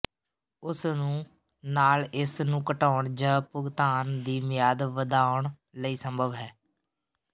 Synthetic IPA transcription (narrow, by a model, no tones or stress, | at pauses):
ʊsnũː | naːlɪsnũːkəʈaːʊɳd͡ʒəːpʊɡt̪aːnd̪iːmɪjaːd̪ʋəd̪aːʊɳ | ləiːsəmbʱəʋɦɛː